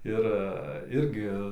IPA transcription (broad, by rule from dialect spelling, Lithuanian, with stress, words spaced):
ˈɪr ˈɪrʲɡʲɪ